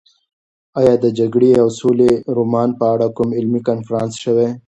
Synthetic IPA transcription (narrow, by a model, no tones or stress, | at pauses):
ajɑːd̪əd͡ʒaɡɽeawsoleɾomɑːnpəaɽakʊmɪlmikanfɾɑ̃ːnsʃəwe